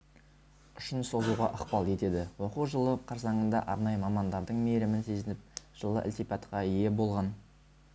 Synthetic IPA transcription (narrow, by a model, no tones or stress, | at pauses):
ʏʃɪnso̞zuʁɑ̰ʔɑqpɑlˠe̞t̪e̞d̪ɪwo̞quʒəlˠəqʰɑɾsɑɴənd̪ɑ̰ʔɑɾnɑjəmɑmɑnd̪ɑɾd̪əɴmeɾɪmɪnse̞zɪnɪp̚ʒ̥əlˠə̰ʔɪ̰lt̪ijpɑt̪qɑje̞bo̞lˠʁɑn